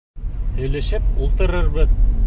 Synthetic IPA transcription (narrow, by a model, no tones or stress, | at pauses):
h̪ɵ̆jlɘ̆ʃɘp̚ulˠt̪ɤ̆ɾɤɾβɤð